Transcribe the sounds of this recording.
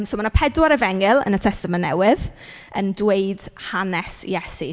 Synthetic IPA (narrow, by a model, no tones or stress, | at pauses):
msomanapʰɛdwaɾɛvɛŋɪlˠə̰nətʰɛstamanːɛ̰wɪð | əndweɨd̥hanɛsjɛsḭ